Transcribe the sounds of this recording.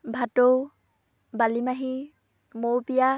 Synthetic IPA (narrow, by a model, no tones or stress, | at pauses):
bʱato | balimaɦi | mowpija